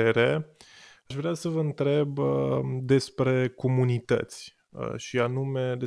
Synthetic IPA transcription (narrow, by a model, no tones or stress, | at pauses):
eɾe | aʃvɾeasəvəɨnt̪ɾe̞bd̪e̞spɾe̞ko̞munit̪ə̰t̪sʲ | ʃianume̞d̪e